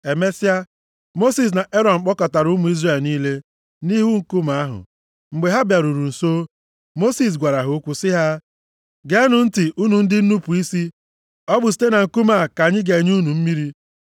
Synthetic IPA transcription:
e˨me˦sa˦ | mo˦si˨s̬na˨ʔe˦ɾɔ˨m̩˨k͡pɔ˦ka˨ta˨ɾʊ˦mʊ˨˦i˦zre˨lniː˦le˦ | ni˦ɦu˦ŋ̩˦ku˦ma˦ɦʊ̰˨ | ŋ͡m̩˨ɡ͡be˨ɦa˦bja˨ɾu˨ɾu˨n̩˨so˦ | mo˦si˨s̬ɡʷa˨ɾa˨ɦʊ˨˦kʷu˦sɪ˦ɦa˦ | ɡe˦nʊ˨n̩˦tɪ˨ʔu˦nu˨n̩˦dɪ˦n̩˦nu˦pu˨i˦si˦ | ɔ˦ɡ͡bʊ˨s̬i̥˦te˦na˨ŋ̩˨ku˦ma˦˨ka˨ɲɪ˦ɡe˨ɲ˦u˦nu˨m̩˦mi˦ɾi˦

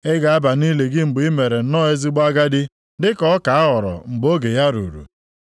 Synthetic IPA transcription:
ɪ˦ɡa˨a˦ba˨ni˦le˨ɡɪ˦ŋ͡m̩˨ɡ͡bi˦me˨ɾe˨n̩˦nɔː˦e˦zi˦ɡ͡ba˦ɡa˦dɪ˦ | dɪ˦kɔ˦ka˨a˦ɦɔ˨ɾɔ̰˨ŋ͡m̩˨ɡ͡bo˦ɡe˨ja˦ɾṵ˨ɾṵ˨

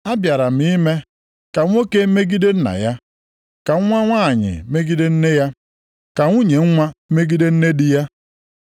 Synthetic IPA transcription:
a˦bja˨ɾa˨m̩i˦i˦me˦ | ka˨ŋʷ˦o˦ke˦me˦ɡi˦de˦n̩˦na̰˨ja˦ | ka˨ŋ̩ʷ˦a˦ŋʷa˦˨ɲɪ̰˨me˦ɡi˦de˦n̩˦ne˦ja˦ | ka˨ŋʷu˦ɲe˨ŋ̩˦ŋʷa˦me˦ɡi˦de˦n̩˦ne˦di˦ja˦

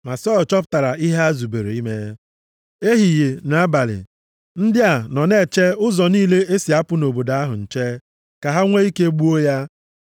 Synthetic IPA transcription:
ma˨sɔ˦˨t͡ʃɔ˦p̬ʊ˦ta˨ɾa˨i˦ɦe˦a˦zu˨be˨ɾe˨i˦me˦ | e˦ɦi˨je˨na˨a˦ba˨lɪ̰˨ | n̩˦dɪ˦a˨nɔ˨ne˦˨t͡ʃe˦ʊ˦zɔ˨niː˦le˦e˦si˨a˦pʊ˦no˨bo˨da˦ɦʊ̰˨n̩˨t͡ʃe˦ | ka˨ɦa˦ŋʷe˦i˦ke˦ɡ͡bu˦o˦ja˦

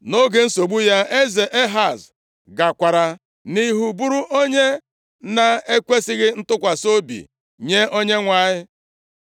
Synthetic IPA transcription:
no˦ɡe˨n̩˦so˨ɡ͡bu˦ja˦e˦ze˨ʔe˦ɦa˨z | ɡa˨kʷa˨ɾa˨ | ni˦ɦu˨bu˦ɾu˦ʔo˦ɲe˦ | na˨e˦kʷe˦sɪ˦ɣɪ˦n̩˦tʊ˦kʷa˨so˦bḭ˨ | ɲe˦o˦ɲe˦ŋʷa˨ɲɪ˦

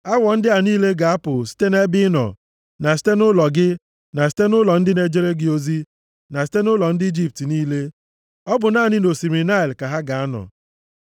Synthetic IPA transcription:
a˦wɔ˨n̩˦dɪ˦a˨niː˦le˦ɡa˨a˦pʊ˨si̥˦te˦ne˦bɪ˦nɔ̰˨ | na˨s̬i̥˦te˦nʊ˦lɔ˨ɡɪ˦ | na˨s̬i̥˦te˦nʊ˦lɔ˨n̩˦dɪ˦ne˦d͡ʒe˦ɾe˦ɡɪ˦o˦zi˦ | na˨s̬i̥˦te˦nʊ˦lɔ˨n̩˦dɪ˦i˦d͡ʒi˦p̚ti˨niː˦le˦ | ɔ˦bʊ˨naː˦˨nɪ˦no˨si˨ɾi˨na˦i˨lka˨ɦa˦ɡa˨a˦nɔ̰˨

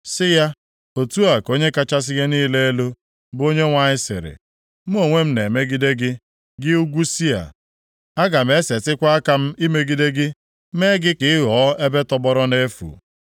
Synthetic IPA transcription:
sɪ˦ja˦ | o˨tu˦a˨ko˦ɲe˦ka˦t͡ʃa˦s̬ɪ˦ɡe˦niː˦le˦e˦lo˦ | bo˦ɲe˦ŋʷa˨ɲɪ˦sɪ̰˨ɾɪ̰˨ | m̩˦o˦˨ŋʷe˦m̩˦ne˨me˦ɡi˦de˦ɡɪ˦ | ɡɪ˦u˦ɡʷu˦si˦a̰˨ | a˦ɡa˨m˦e˦se˨tɪ˦kʷa˦a˦ka˦m̩˦i˦me˦ɡi˦de˦ɡɪ˦ | me˦ɡɪ˦kɪ˨ɪ˦ɦɔ˨˦e˦be˦tɔ˦bɔ˦ɾɔ˦ne˦fṵ˨

